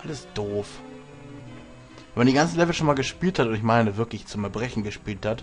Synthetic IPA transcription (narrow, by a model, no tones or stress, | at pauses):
ʔaləsd̥oːf | mvɛndiːɡant͡sn̩lɛvl̩sʃoːnmaːlɡəʃpiːlthatʊntɪç̬maɪnəvɪɐklɪçt͡sʊmɛɐbʁɛçn̩ɡəʃpiːlthat